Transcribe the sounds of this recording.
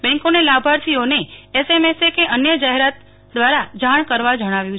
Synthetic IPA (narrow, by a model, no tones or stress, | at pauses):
bɛ̃ŋkonelabʱaɾt̪ʰioneesemesekeʔənjəd͡ʒaɦeɾat̪̚ | d̪ʋaɾad͡ʒaɳ̃kəɾʋad͡ʒəɽ̃aʋjũt͡ʃʰ